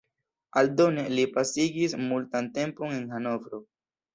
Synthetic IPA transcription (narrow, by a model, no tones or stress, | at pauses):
aldo̞ne̞lipasiɡismultante̞mpo̞ne̞nhano̞vɾo̞